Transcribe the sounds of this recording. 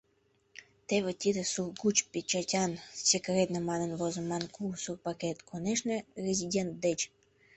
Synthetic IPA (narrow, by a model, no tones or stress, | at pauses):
t̪eβet̪ʲid̪əsurɡut͡ɕpʲet͡ɕatʲɑnsekret̪nəmɑnənvozə̆mɑnkulsurpaket̪kʰoneʃnerʲezʲidʲent̪̚d̪et͡ɕ